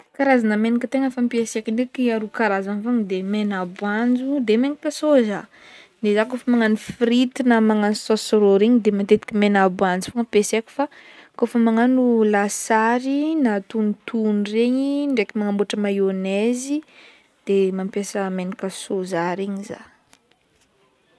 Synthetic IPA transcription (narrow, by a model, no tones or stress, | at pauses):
kaɾazanamenikʲət̪eŋəfampiesekiɳɖ͡ʐekiaɾukaɾazanfaŋid̪emenabuand͡zud̪emenikəsoza | nezakofəmaŋanifɾit̪inamaŋansosoɾoɾeɲid̪emat̪et̪i̥kʲimenabuand͡zu̥foŋəpesekʲu̥fakofəmaŋanulasaɾinat̪unit̪unreɲiɳɖ͡ʐekimaŋamboʈ͡ʂəmajonezi | d̪̥emampjesəmenikəsozaɾeɲiza̰